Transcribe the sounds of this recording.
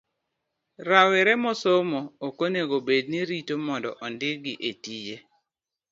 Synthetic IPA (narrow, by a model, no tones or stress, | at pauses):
ɾawɛɾɛmɔsomoːkoneɡobed̚niɾitomɔndɔ̰ʔɔndɪɡɪʔetije